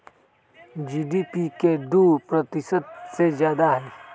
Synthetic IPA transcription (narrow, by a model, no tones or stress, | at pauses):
d͡ʒiːɖiːpiked̪uːpɾət̪ɪsəd̪sezjaːd̪aɦɛː